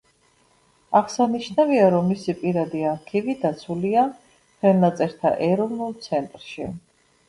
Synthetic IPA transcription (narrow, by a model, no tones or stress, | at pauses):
aʁsaniʃnaviaɾɔmːisipʼiɾad̪iaɾkʰivid̪at̪sʰulia | χʰɛlnat̪sʼɛɾt̪ʰa̰ʔɛɾɔvnulˠt̪sʰɛnt̪ʼɾʃi